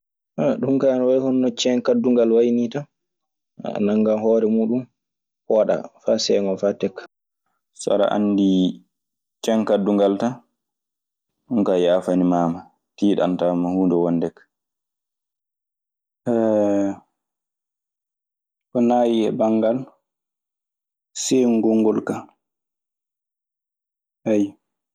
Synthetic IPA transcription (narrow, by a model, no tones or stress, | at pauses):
ʔaɗumkanwajhɔnːɔt͡ʃɛŋkadːuŋɡalwajnita̰ | naŋɡamɦɔɾɛmuːɗum | hɔaɗa̰fasɛŋɔfatɛkːḁ | sa̰ɾa̰ʔa̰ndi | t͡ʃɛŋkadːuŋɡalta | ɗumkajaːfanimaːma | tiːɗa̰ntamahuːndɛwandɛkː | ʔɛ | kɔnaːjiɛ̰baŋɡal | seŋɡɔŋɡɔlka | haj